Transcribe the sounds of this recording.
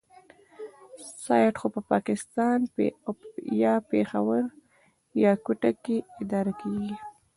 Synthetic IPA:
sɑjʈxopəpɑkɪst̪ɑn | jɑpexawəɾ | jɑkuʈakeɪd̪ɑɾakeɡi

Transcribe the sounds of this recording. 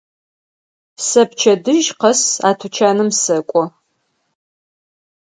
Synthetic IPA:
sɐpt͡ʃʰɐdɨʒqɐsaːtʰut͡ʃʰaːnɨmsɐkʷʼɔ

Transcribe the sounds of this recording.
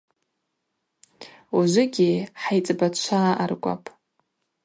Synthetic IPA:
uʒʷʊɡʲiħajt͡sʼbat͡ʃʷʰaarɡʷʼa̰pʼ

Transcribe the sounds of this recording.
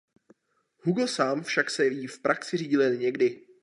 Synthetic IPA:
huɡl̩saːmfʃaksɛvjiːfpɾʔaksɪriːɟɪlɪɛlɲɛɡdɪ

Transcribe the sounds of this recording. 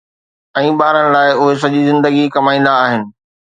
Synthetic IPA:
ɛ̃ːɓaːɾəñɪ̆laːɪʊɦes̬ɐʄizɪ̃nd̪əɡikɐmaːĩːn̆d̪aːɦɪnɪ̆

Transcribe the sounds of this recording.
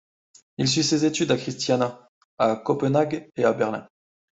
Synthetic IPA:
ils̬ysezet̪yd̪akχist̪jana | akɔpənaɡeabɛʁlɛ̰̃

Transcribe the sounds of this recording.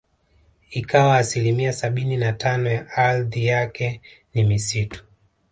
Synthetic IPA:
ikawaːsilimiasaɓininatanɔjaʔalðijakɛ | nimisitu̥

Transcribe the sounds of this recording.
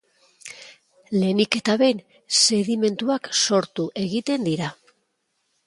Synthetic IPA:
le̞nike̞t̪aβe̞n | se̞ɣime̞nt̪uakso̞ɾt̪uʔe̞ɣit̪e̞nd̪iɾa

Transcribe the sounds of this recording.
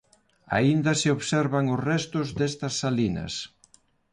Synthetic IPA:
a̰ind̪ɐsɪoβsɛɾβɐŋʊsrɛst̪ʊzd̪ɛst̪ɐsːalinɐ̰s

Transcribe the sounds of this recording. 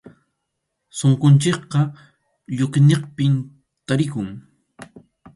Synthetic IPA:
soŋkʊnt͡ʃɪk̚qɑ | ʎʊkneqpɪm | t̪aɾɪkʊŋ

